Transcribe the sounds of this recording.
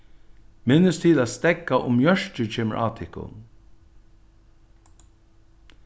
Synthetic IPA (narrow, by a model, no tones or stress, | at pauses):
mɪnːəst̪ʰiːlæːt̪st̪ɛkːaʔʊ̰mjœʂt͡ʃət͡ʃʰeːmə̰ɹʔaːt̪ʰɪhkʊ̰n